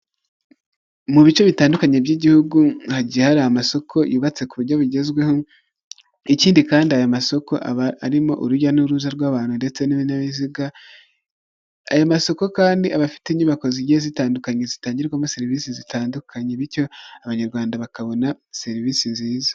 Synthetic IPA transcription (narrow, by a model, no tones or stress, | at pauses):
muβit͡ʃo̞βitaːndukaɲebjiɟihuɡuhaɟiahaɾahamaso̞kʰo̞juːβat͡se̞kuβuɾɟo̞βuɟe̞zɡwe̞ho̞ | iciːndikaːndiajamaso̞ko̞ʔaaɾimo̞̰ʔuɾuɟanuɾuzaɾɡwaːβaːn̥hunde̞t͡se̞niβinaβiziɡa | ajamaso̞ko̞kaːndiaβafi̥teɲuβako̞ziɟihezitaːndukaɲe̞zitaːɲɟiɾɡwamuse̞ɾivisizitaːndukʰaɲeβiɾco̞aβaɲaɾɡwaːndaβakaβo̞na | se̞ɾivisiziːzḁ